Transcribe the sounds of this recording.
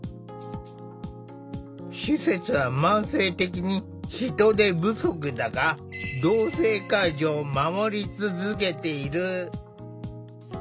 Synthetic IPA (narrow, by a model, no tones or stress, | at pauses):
ɕise̞t͡sɨβamãɰ̃se̞ːt̪e̞k̬ʲiɲ̟i | çit̪o̞d̪e̞bɯ̟so̞k̬ɯ̟d̪aɡa | d̪oːse̞ːkaiʑoːmamo̞ɾʲit͡sɨzɨke̞t̪e̞iɾɯ̟